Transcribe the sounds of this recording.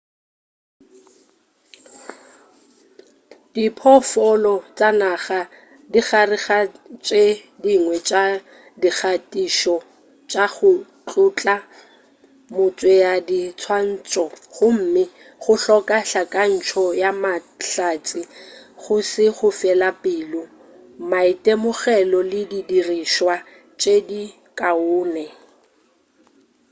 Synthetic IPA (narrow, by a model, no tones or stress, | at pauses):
d̥ipʰɔfɔlɔt͡sʼanaχa | diχarɪɣat͡ʃʼediŋwɛt͡ʃʼa | dik͡xatʼiʃɔ | t͡ʃʼaχʊ | t͡ɬʼʊt͡ɬʼa | mʊt͡sʼwɛjadit͡sʰwan̩ːt͡sʼɔχʊm̩mɪ | χʊɬɔkʼaɬakʼan̩t͡ʃʰɔjamaɬat͡sʼɪχʊsɪχʊfɛlapʼɪːlʊ | maitʼɛmʊχɛlɔlɪdidiriʃwa | t͡ʃʼedi | kʼaʊːnɛ